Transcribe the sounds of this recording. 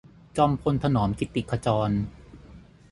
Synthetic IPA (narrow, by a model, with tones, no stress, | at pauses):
t͡ɕɔː˧mpʰo˧nt̪ʰa˧nɔː˩˦mki˨˦t̪ːi˨˩kʰa˧t͡ɕɔː˧n